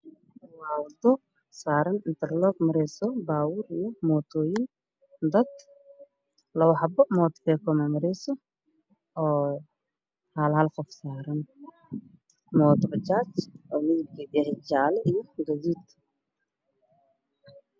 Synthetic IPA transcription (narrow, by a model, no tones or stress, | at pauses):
waːwd̪ɔ | saːɾɐnɪnt̪ʰɐrlɔɡmɐɾɛsɔbaːwʊɾijɔmɔːt̪ʰɔːjɪn | d̪ɐd̪ | lɐwʊħɑbɔmɔːt̪kɛːkʰɔmɐmɐɾɛsɔ | ɔː | halhɐlqɔfsaːɾɐn | mɔːt̪bɐt͡ʃaːt͡ʃʔɔːmɪðɪb̚kʰidɪjɐhɪd͡ʒaːlɛʔijɔɡɐɣiːt̪